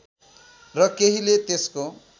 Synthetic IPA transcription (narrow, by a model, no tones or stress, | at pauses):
rʌkeɦilet̪esko